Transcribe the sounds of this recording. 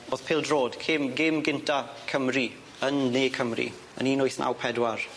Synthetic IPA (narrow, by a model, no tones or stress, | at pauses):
oːð̥pʰɪːlˠdroːd̥kʰɪmɡɪmɡɪntʰakʰəmri | ənːeːkʰəmrḭ | ə̰niːnʊjθnʔa̰wpʰɛdwar